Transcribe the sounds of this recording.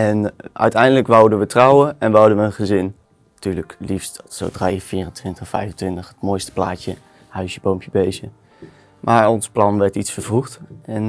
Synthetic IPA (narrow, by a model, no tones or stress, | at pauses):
ɛnʔœ̰ɥtɛjndələkʋɔwdənʋətrɔwəɛnʋɑdənʋəənχəzɪn | tyːɹləklifstso̰wdrajfiːrəntʋɪntəχfɛjfəntʋɪntəχətmojstə̥pla̰ːcə | hœɥsjəbowmpjəbejzə | mʔaːɹɔnsplɑnʋɛɹtitsfəɹvruχtɛn